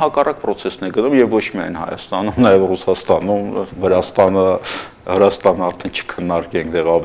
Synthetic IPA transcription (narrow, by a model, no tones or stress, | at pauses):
hɑkɑrʔɑk̚pɾɔt͡sʰɛsnɛɡənumjɛvːɔt͡ʃʰmiɑ̰jnhɑ̰jɑ̰st̪ɑnumnɑjɛvrusɑst̪ɑnumvəɾɑst̪ɑnə | həɾɑst̪ɑnəɑɾt̪ʰɛnt͡ʃʰə̥kʰənːɑɾkɛŋkt̪ɛʁɑv